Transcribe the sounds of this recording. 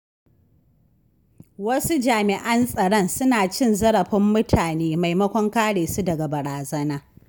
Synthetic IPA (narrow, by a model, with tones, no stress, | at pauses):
wɐ˦su˦d͡ʒaː˨mɪ˨ʔɐ˦nsʼɐ˨ɽɔ˦nsʊ˦naː˨t͡ʃɪ˦nzɐ˦ɽɐ˨ɸɪ˦mːʊ˦tʰaː˨neː˦ma˨jmɐ˦kʷɔ˦ŋkaː˦ɽeː˨su˦dɐ˨ɡa˨bɐ˨ɽaː˨zɐ˦naː˦